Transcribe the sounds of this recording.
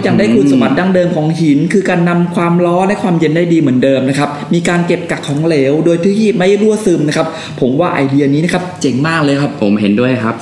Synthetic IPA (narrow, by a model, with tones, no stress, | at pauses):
ja˨˩ŋdaː˥˩jkʰu˧nsa˧ba˨t̪̚daː˧˥˩ŋdɤː˧mkʰɔː˩˦ŋhi˨˩˦nkʰɯː˧kaː˧nːa˧mkʰwaː˧mɾɔː˦˥na˦˥˩jkʰwaː˧mje˧ndaː˥˩jdiː˧mɯ˩˦əndɤː˧mna˦˥kʰa˦˥p̚miː˧kaː˧nke˨˩p̚ka˨˩kʰːɔː˩˦ŋleː˩˦wdoː˧jt̪ʰi˦˥iː˥˩ma˥˩jɾu˥˩əsɯː˧mna˦˥kʰa˦˥p̚ | pʰo˩˦mwaː˥˩ʔa̰˧jdi˧ɐni˦˥na˦˥kʰa˦˥p̚t͡ɕe˧ŋmaː˥˩k̚lɤː˧jkʰa˦˥ppʰo̰˨˩˦mhe˨˩˦ndu˥˩əjkʰa˦˥p̚